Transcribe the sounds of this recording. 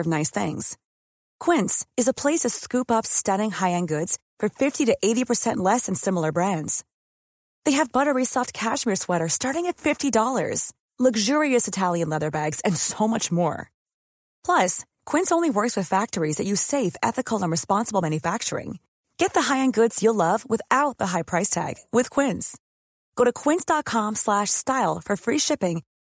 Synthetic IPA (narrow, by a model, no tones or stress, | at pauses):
ʌvnaɪsθɪ̰̃ŋz̥ | kʰw̥ɪ̃ntsɨzəpʰl̥eɪsʌv̥skʉpʌpstʌɾɪ̃ŋhaɪɨ̃nɡʊdz̥fə˞fɪftiɾɨʔeɪɾipʰə˞sɛ̃nʔlɛsɨ̃n̩sɪ̃ml̩ˠə˞bɹæ̃ndz̥ | ðeɪɨvbʌɾə˞ɹisɑft̚kʰæʃmiɹswɛɾə˞stɑɹɾɪ̃ŋɨtfɪftidɔlˠə̰˞z̥ | lʌɡʒʊɹiɨsɨtʰælˠjɨ̃nlɛðə˞bæɡz̥ɨ̃nsoʊmʌt͡ʃmɔ̰ɹ | pʰl̥ʌs | kʰw̥ɪ̃nsõʊ̃nliwɜ˞kswɨð̥fæk̚tə˞izðɨt͡ʃɨseɪfɛ̰θɨkʰl̩ˠə̃nɹɨspɑ̃nsəbl̩ˠmæ̃njɨfæk̚t͡ʃə̰˞ɪ̰̃ŋ | ɡ̥ɛt̪̚ðəɦaɪɨ̃nɡʊdz̥jəlʌvwɨθaʊt̪̚ðəɦaɪpʰɹ̥aɪstʰæ̰ɡ̥wɪð̥kʰw̥ɪ̃nz̥ | ɡ̥oʊɾɨkʰw̥ɪ̃nsd̥ɑt̚kʰɑ̃mslæʃstaɪlˠfə˞fɹiʃɪpɪ̃ŋ